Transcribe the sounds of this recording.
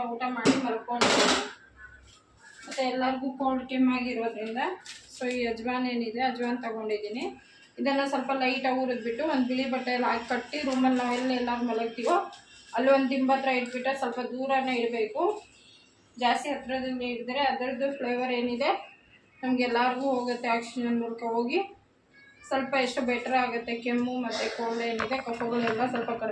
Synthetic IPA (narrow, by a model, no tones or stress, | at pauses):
uːʈɐmaːɽimɐlɐkoɳɖid̪ini | mɐt̪ːeɛlːɐɾiɡuːkoːlʈimaːɡiiɾoːd̪ɾind̪ɐsoːiːɐd͡ʒʋaːne̞ːnid̪e̞ɐd͡ʒʋaːnt̪ɐɡo̞ɳɖid̪iːni | id̪ɐnːɐsɐlpɐlɐjʈɐuːɾud̪̚biʈːuond̪ubiɭibɐʈːɐjɐlːaːɡkɐʈːiɾuːmɐlnaːʋɛlːɐɛlːaɾumɐlɐkt̪ijoɐlːiʋond̪imbɐt̪ɾɐjiʈbiʈːɐsɐlpɐd̪uːɾɐneiɾɐbe̞ːku | d͡ʒaːst̪iɦɐt̪ːɾɐd̪ind͡ʒeiɽid̪ɐɾeɐd̪ɐɾɐd̪upʰleːʋɐɾe̞ːnid̪e̞ | nɐmɐɡɛlːaːɾɡuːɦoːɡɐt̪ːeaːkʂid͡ʒɐnmuːlkɐɦo̞ːɡi | sɐlpɐeʂʈubɛːʈɐɾaːɡɐt̪ːekemːumɐt̪ːekoːɖeːnid̪e̞kɐpːoɡɐlɛlːɐsɐlpɐkɐ